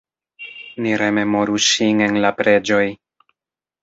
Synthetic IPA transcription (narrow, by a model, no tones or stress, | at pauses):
niɾe̞me̞mo̞ɾuʃine̞nlapɾe̞d͡ʒo̞j